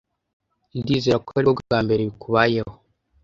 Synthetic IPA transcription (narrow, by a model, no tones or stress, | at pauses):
ndiːzeɾakoaɾiɡaɡaːmbe̞ɾeβikuβajeho